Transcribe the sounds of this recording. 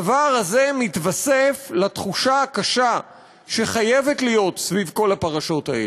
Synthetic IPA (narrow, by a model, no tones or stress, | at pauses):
vaʁaze̞mitvaseflat̪χuʃaakaʃa | ʃe̞χaje̞ve̞tlijo̞tsvivko̞lapaʁaʃo̞tae